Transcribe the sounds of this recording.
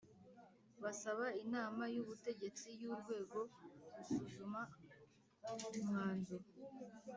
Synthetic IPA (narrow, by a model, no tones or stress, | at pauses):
βasaβainaːmajuβute̞ɟe̞t͡sijuɾɡwe̞ːɡo̞ɾuʃuʒuma | umŋaːndo